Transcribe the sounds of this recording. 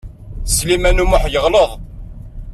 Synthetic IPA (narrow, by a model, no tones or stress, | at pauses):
slimænumʊħjəʁləðˤ